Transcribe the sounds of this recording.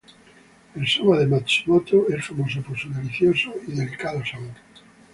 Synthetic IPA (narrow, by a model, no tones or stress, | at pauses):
elsomaðemat͡ʃimot̪oelfamosoposoðeliθjosoiðelkalosaot